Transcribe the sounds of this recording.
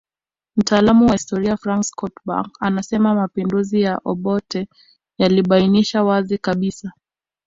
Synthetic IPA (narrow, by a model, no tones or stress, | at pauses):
m̩taːlamuwahistɔɾiafɾaŋkskɔtba̰ŋkanasɛmamapinduzijaʔɔɓɔtɛ | jaliɓainiʃawazikaɓisa